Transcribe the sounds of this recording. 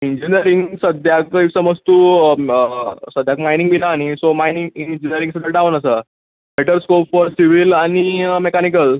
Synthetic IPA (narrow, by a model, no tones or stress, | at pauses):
iɲd͡ʑiniəɾiŋɡsəd̪ʱjakisəməst̪uː | səd̪ʱjakmainĩŋɡmilaːñisomajnĩŋɡind͡ʑiniəɾĩŋsəd̪ʱjaʈaʋənəsə | beʈəɾskopfɔɾsiʋilanimekanikəl